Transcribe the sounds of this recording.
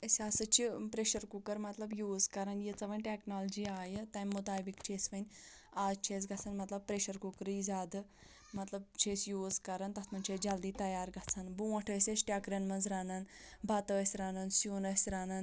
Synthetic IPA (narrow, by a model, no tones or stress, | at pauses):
əsʲasɐt͡ʃipɾeʃɐɾkukəɾmɐt̪lɐbjuːzkɐɾɐnjet͡sɐʋənʲʈeknald͡ʒiaːjət̪ɐjmːut̪aːbikt͡ʃʰesʋənʲ | aːzt͡ʃʰes̬ɡʱɐt͡sʰanmɐt̪lɐb̚pɾeʃɐɾkukɐɾizaːd̪ɨ | mɐt̪lɐb̚t͡ʃʰesjuːzkɐɾant̪ɐt̪ʰmɐnʲt͡ʃʰed͡ʒɐld̪iːt̪ɐjaːɾɡʱat͡sʰanbuʋɐʈʰəsʲesʈʲakɾɐnmɐnzɾanɐnbʱat̪əəsʲɾaːnɐnsjuːnɐsʲɾaːnan